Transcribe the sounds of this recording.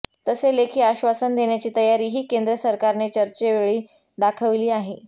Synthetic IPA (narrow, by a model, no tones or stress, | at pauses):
t̪əselekʰiːaɕʋasənd̪ʱeɳjat͡ɕiːt̪əjaɾiːɦiːkend̪ɾəsəɾkaɾnet͡ɕəɾt͡ɕeʋeɭiː | d̪akʰəʋliːaɦe